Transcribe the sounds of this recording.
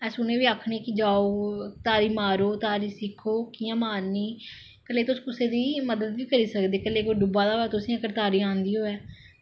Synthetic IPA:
ɛ̃ːsʊneːʋiːaːkʰneːkid͡ʒaːoːt̪aːɾiːmaːɾoːt̪aːɾiːsɪkʰoːkiːãːmaːnːiː | kəleːt̪ʊsːkʊseːd̪iːməd̪əd̪ʋiːkəɾiːsəkd̪eːkəleːkoɖʊbaːd̪aːɦoɛːt̪ʊsĩːəkəɾt̪aːɾiːãːnd̪iːɦoːɛː

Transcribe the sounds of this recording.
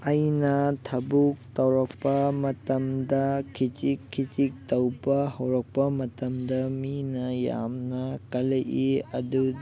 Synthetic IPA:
ɐjnɐtʰɐbuk̚tɐwɾɐk̚pɐmɐtɐmdɐkʰitikʰːitik̚tɐwbɐhɐwɾɐk̚pɐmɐtɐmdɐminɐja̰mnɐkɐlɐʔiɐdu

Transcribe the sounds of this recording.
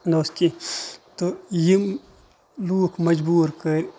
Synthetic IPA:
noskit̪ojim | luːkmɐd͡ʒbuːɾkɐɾi

